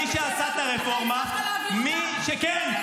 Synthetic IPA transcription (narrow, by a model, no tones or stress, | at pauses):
iʃeasat̪aʁefo̞ʁma | mi | ʃeken